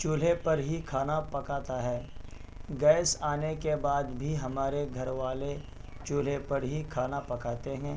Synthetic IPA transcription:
t͡ʃʊːl̤epɐɾɦikʰaːnapɐkaːt̪aɦɛː | ɡɛːsaːnekebaːd̪bʱiɦɐmaːɾeɡʱɐɾʋaːle | t͡ʃoːl̤epɐɾɦikʰaːnapɐkaːt̪eɦɛ̃ː

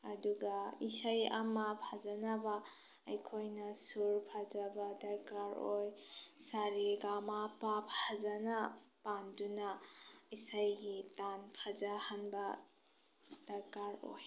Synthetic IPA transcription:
ɐduɡaisaja̰mapʰazanaba | ɐjkʰojnɐsuɾpʰazabadɐɾkaɾojsaɾiɡamapap̚ʰhazanapandunaisajɡitanpʰazahanbɐ | d̥ɐɾkaɾo̰j

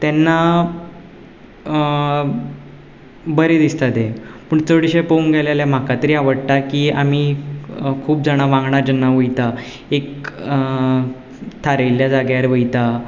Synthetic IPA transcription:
t̪jɛnːa | bəɾed̪ist̪at̪ẽpəːɳt͡soɽiɕepəunɡalaljam̤akat̪əɾiːaʋəɽt̪akiːam̤i | kʰuːp̚d͡zaɽ̃aʋãŋɡɳaɾd͡ʑənːaʋəjt̪a | ek | t̪ʰaɾejljad͡zaɡjaɾʋəjt̪a

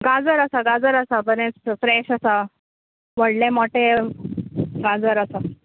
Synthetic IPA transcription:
ɡad͡zəɾasaɡad͡zəɾasabəɾẽt͡sfɾɛɕasa | ʋəɽlɛ̃mɔʈe | ɡãd͡zəɾasa

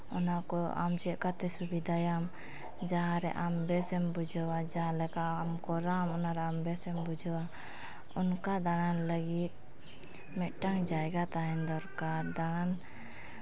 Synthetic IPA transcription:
ɔnakɔa̰md͡ʒɛʔkat̪ɛsubid̪ʱajam | d͡ʒaɦãɾɛ̰ʔambɛsɛmbud͡ʒʱwad͡ʒaɦalɛkamkɔɾamɔnaɾɛambɛsɛmbud͡ʒʱwa | unkad̪aɽ̃anləɡit̪̚ | mɛʔʈaŋd͡ʒaɛɡat̪aɦɛnd̪ɔɾkaɾd̪aɽ̃an

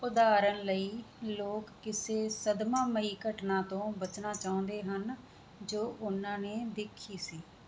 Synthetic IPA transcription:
ʊd̪aːɾənləiːloːkːɪseːsəd̪mãːməɦiːkəʈnãːt̪õːbət͡ʃnaːt͡ʃaːʊ̃ːnd̪eːɦən | d͡ʒoːʔʊnãːneːd̪ɪkʰiːsiː

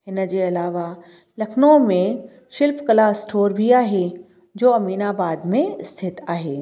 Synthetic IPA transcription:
ɪnd͡ʑeɐlaːʋa | lɐkʰnõmẽ | ʃɪlpkɐlaːsʈʰoːɾbʱiaːɦe | d͡ʑoːɐmiːnabaːd̪mẽst̪ʰɪt̪aːɦeː

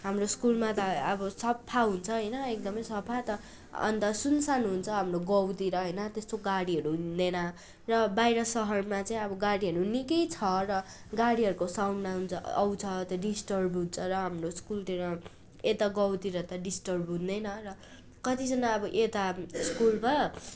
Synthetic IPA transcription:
ɦamroskulmat̪ʌːbʌsʌppʰaɦunt͡sʰʌɦʌjnʌekd̪ʌmʌjsʌpʰat̪ʌ | ʌ̰nt̪ʌsunsanɦunt͡sʰʌɦamroɡʌwt̪iɾʌɦʌjnʌt̪est̪oɡaɽiɦʌɾuɦund̪enʌ | rʌbajɾʌsʌɦʌrmat͡saĩʌbʌɡaɽiɦʌɾunikʌjt͡sʰʌrʌ | ɡaɽiɦʌɾukosawnmaɦunt͡sʰʌ̰ːwt͡sʰʌt̪ʌɖisʈʌrbʱunt͡sʰʌɾʌɦamroskult̪iɾʌ | et̪aɡʌwt̪iɾʌt̪ʌɖisʈʌrbʱɦũnd̪ʌjnʌrʌ | kʌt̪id͡zʌnaʌbʌʔet̪askulma

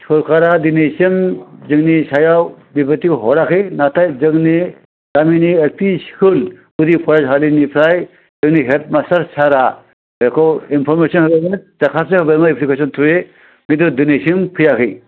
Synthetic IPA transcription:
sɔɾkʰaɾad̪inesɯmzɯŋnisajawbipət̪ikɦɔɾakʰɯjnatʰajzɯŋni | daminielpʰiskɯl | ud̪ipʰɔɾazɦalinipʰɾaj | zɯŋniɦet̪̚masaɾsʰaɾa | ekʰɔwinpʰɔɾmesɔnhɯbeɾmadakʰasehɯbeɾmaipʰlikʰesɔnt̪ʰuje | ɡit̪ɯd̪inesimpʰɯjakʰɯj

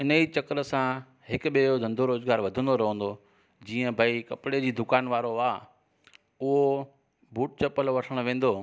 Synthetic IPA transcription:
ɪnəit͡ɕɐkəɾəsã | ɦɪkʊ̆ɓiod̪ʱɐ̃nd̪ʱoɾoːzɡaːɾʋɐd̪ʱə̃nd̪oɾɐɦə̃ːnd̪o | d͡ʑiːə̃bʱɐikɐpɽed͡ʑiːd̪ʊkaːnʋaːɾoaː | ʊɦo | bʱuːʈ̚t͡ɕɐpəlʋɐʈʰəɽ̃ʋẽːn̆d̪oː

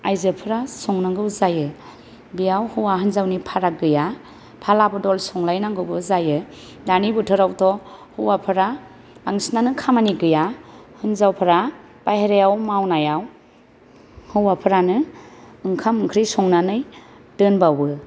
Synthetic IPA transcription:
ajzɯpʰɯɾasɔŋnaŋɡɯwzajɯ | bijawhɯwaɦɯnzawnipʰaɾaɡɯja | pʰalabɯdɔlsɔŋlajnaŋɡɯwbɯzajɯ | danibutʰɯɾawtʰɔhɯwapʰɯɾa | b̥aŋsnanɯkʰamaniɡɯjahɯnzawpʰɯɾab̥ajɦeɾejawmawnajaw | hɯwapʰɯɾanɯɯŋkʰamɯŋkʰɾisɔŋnanɯj | d̥ɯnbawɯ

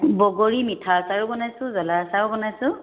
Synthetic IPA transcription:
bɔɡoɹimitʰasaɹʊbɔnajsʊ̃zɔlasaɹʊbɔnajsʊ̃

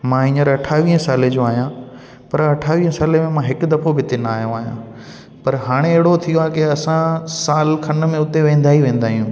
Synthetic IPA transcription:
mãɪ̃ɲəɾɐʈʰaːʋiːɦə̃saːlẽd͡ʑoaːɦijã | pɐɾɐʈʰaːʋiːɦə̃saːlemẽmãɦɪkʊd̪ɐfʰobɪt̪ɪnaːɦijõaːɦijã̰ | pɐɾɦaːɽ̃ẽeɦɪɽot̪ʰijoaːkɪɐsãsaːlkʰɐnə̆mẽʊt̪eʋẽːn̆d̪aːɦiʋẽːn̆d̪aːɦijũː

